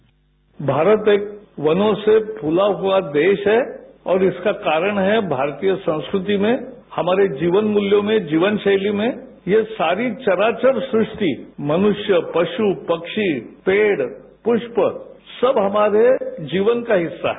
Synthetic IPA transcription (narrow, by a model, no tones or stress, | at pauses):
bʱaːɾət̪eːk̚ʋɐnõsepʰʊlaɦuad̪eːʃɦɛɔːɾɪskakaːɾəɽ̃ɦɛbʱaːɾt̪ijəsɐ̃w̃skɾɪt̪imẽ | hɐmaːɾed͡ʒiːʋənmʊljõmẽd͡ʒiːʋənʃɐɪlimẽ | jesaːɾit͡ʃɐɾaːt͡ʃəɾsɾɪʂt̪imɐnʊʃjəpɐʃupɐkʃipeːɽpʊʃpəsɐbɦɐmaːɾed͡ʒiːʋənkaɦɪsːa̰ɦɛ